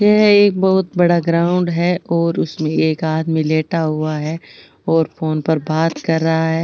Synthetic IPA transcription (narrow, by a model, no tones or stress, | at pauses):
jɛɦeːk̚bɔɦʊt̪̚bɐɽaɡɾaːʊ̃ɳɖɦɛʔɔːɾʊsmẽeːkaːd̪mĩleːʈaɦuaɦɛː | ɔːɾfoːnpɐɾbaːt̪kɐɾːɐɦaɦɛː